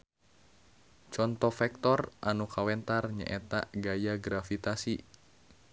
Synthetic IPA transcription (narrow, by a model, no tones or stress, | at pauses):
t͡ʃɔnt̪ɔfɛk̚t̪ɔrʔanukawɛnt̪arɲə̰ʔɛt̪a̰ɡajaɡɾafit̪asi